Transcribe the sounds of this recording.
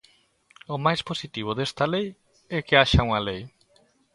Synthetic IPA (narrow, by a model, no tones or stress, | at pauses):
omajsposit̪iβod̪est̪alej | ɛkeaʃawŋalej